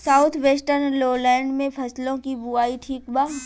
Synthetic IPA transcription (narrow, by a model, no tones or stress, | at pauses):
saːʊt̪ʰʋeːsʈəɾnloːlɛ̃ːɳɖmẽpʰɐslõkibuaːiʈʰiːkbaː